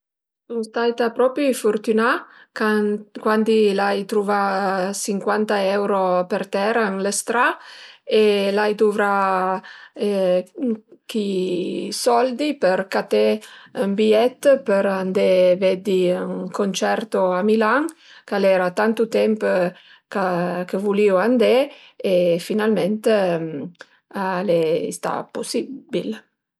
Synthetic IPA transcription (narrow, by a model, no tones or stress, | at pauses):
sunst̪ajt̪apɾɔpɾifoɾt̪yna | kwand̪ilajt̪ɾuvasiŋkwant̪aɛwɾopert̪ɛɾanlest̪ɾaelajd̪uvɾa | k̟i | sɔld̪ipeɾkat̪eymbiɛt̪ːpəɾand̪evɛd̪iyŋkont͡ʃɛɾt̪oamilaŋ | kalɛɾat̪ant̪ut̪ɛmp | kakəvulioand̪e | efinalment̪ | aleḭst̪a̰posibil